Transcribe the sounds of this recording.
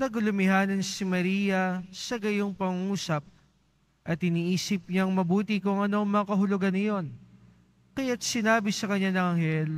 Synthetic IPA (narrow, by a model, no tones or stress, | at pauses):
nɐɡʊlʊmɪɦaːnɐnsɪmɐɾiːjɐsɐɡɐjoŋpɐŋuːsɐp̚ | ʔɐt̪ɪniːʔiːsɪp̚ɲaŋmɐbuːt̪ɪkʊŋɐno̞ŋmɐŋɐkɐɦʊlʊɡanːɐjo̞n | kɐjat̪̚sɪnaːbɪsɐkɐɲːanɐŋɐŋhɛl